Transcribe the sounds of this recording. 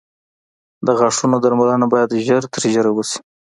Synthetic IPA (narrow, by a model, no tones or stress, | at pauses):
d̪əɣɑʂunod̪aɾmalanabɑjad̪ʒəɾt̪əɾʒəɾawusi̥